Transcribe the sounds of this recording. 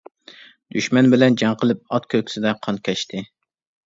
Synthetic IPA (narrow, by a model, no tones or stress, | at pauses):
d̪̥yʃmɛnbɪlɛnd͡ʒɑŋqʰəlˠɨp̚ɑt̪̚kʲʰøkʲsɪd̪ɛqʰɑnkʲʰɛʃt̪ʰɪ